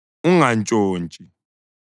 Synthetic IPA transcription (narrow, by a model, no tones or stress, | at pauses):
uŋant͡ʃʼoːnt͡ʃʼi